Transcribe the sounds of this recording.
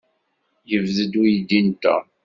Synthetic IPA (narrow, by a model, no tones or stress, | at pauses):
jəvðəd̪ujid̪int̪ːæ̰